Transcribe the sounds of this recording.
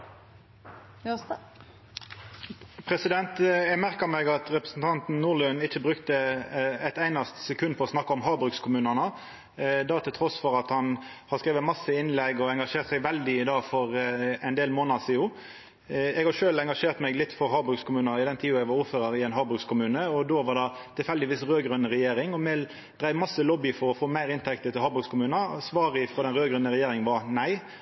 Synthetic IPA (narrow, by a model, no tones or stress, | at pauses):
pʰɾɛsɪd̪ɛnt̪ɛmæʁkəmɛɡɑt̪ʁɛpʁəsn̩t̪ʰɑnt̪n̩nuːʁlʉnɪt͡ʃːəbʁʉkt̪əɛt̪æɪnɑst̪sɛkʰʉnːpʰɔɔsnɑkːəɔmɦɑːbʁʉkskʰʊmʉːnənə | d̪ɑt̪ʰɪlt̪ʰʁɔsfɔʁɑt̪hɑnhɑʁskʁeːʋəmɑsəɪnlɛɡɔɛŋɡɑʂeːʁt̪sɛɪɡʋɛld̪ɪɪd̪ɑːɡfɔɾɛnd̪eːlmoːnɑsiːuː | ɛɡhɑʃøːlɛŋɡɑʂeːʁt̪mɛɡlɪt̪ːfɔɾɦɑːbɾʉkskʰʊmʉːnəɪd̪ɛnt̪ʰiːʊɛɡʋɑɾuːɾføːɾəɾɪɛɪnɦɑːbɾʉkskʰʊmʉːnəɔd̪oːʋɑʁd̪ɛt̪ʰɪlfɛld̪ɪʋiːsɾøːɡɾʉnːəʁɛjeːɾɪŋɔmɛl | d̪ɾæɪmɑsːəlɔbɪfɔɾɔfoːmæɪɾɪnt̪ʰɛkt̪ət̪ɪlhɑːbʉkskʰʊmʉːnəsʋɑːʁɪfʁɔd̪ɛnʁøːɡɾʉnːəɾɛjeːɾɪŋənʋɑnæɪ